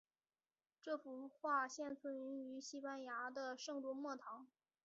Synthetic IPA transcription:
ʈ͡ʂɤ˥˩fu˧˥xwa˥˧ɕjɛ˥˧nt͡sʰwə˥˩ny˧˥ny˧˥ɕi˥pa˥nja˧˥d̪ə˧ʂɤ˥˧ŋt̪wu˥˧mwɔ˥˩t̪ʰɑ˧˥ŋ

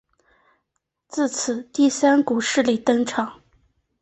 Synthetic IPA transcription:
t͡sɹ̩˥˩t͡s̩ʰ˨˩˦t̪i˥˩sa˥nku˨˩ʂɻ̩˥˩li˨˩˦t̪ɤ˥ŋʈ͡ʂʰɑ˨˩˦ŋ

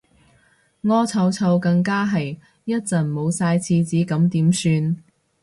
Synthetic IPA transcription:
ŋɔː˥t͡sʰɐ˧wt͡sʰɐ˧wkɐ˧ŋkaː˥ɦɐ˨˩j | jɐ˥t̚t͡sɐ˨˩nmo˨˧wsaː˧jt͡sʰiː˧t͡siː˨˥kɐ˨˥mt̪iː˨˥msyː˧n

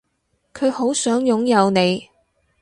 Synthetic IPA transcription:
kʰɵ˨˧ɥho˨˥wsœː˨˥ŋjʊ˨˥ŋjɐ˨˧wne˨˧j

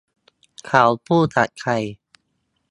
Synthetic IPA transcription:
kʰa˩˦wpʰuː˥˩t̪a˨˩t̪̚kʰa˧j

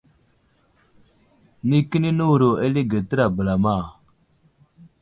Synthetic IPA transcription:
ni˦ki˦ni˦nu˦wɾo˨e˦li˦ɡa˨tə˦ɾa˨bə˨la˨ma˦˨

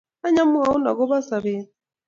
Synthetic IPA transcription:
a˦ɲa˦mu˦a˨u˦na̰˨ɣɔ˦βa˦sa˨βe˨˦

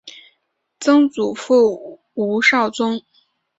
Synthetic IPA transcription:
t͡sɤ˥ŋt͡su˨˩fu˥˩ | u˧˥ʂɑ˥˩ʊt͡sʊ˥ŋ

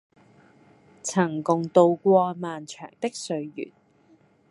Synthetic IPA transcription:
t͡sʰɐ˨˩ŋkʊ˨ŋt̪o˨˧wkʷɔː˧maː˨nt͡ʃʰœ̰ː˨˩ŋt̪ɪ˥k̚sɵ˨˧ɥjy̰ː˨˩n

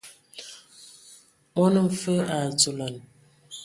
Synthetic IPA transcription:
mɔ˦nə˦m̩˨fə˦a˨t͡so˨la˨n

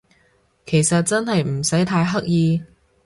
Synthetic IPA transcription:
kʰe˨˩jsɐ˨t̚t͡sɐ˥nɦɐ˨jm̩˨˩sɐ˨˥jt̪ʰaː˧jɦɐ˥k̚jiː˧

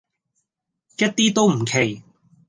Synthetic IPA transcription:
jɐ˥t̚t̪iː˥t̪o˥wm̩˨˩kʰe˨˩j

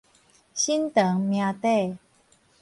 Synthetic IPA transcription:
ɕi˦nt̪ə˨˦ŋmjã˧t̪e˥˧˨

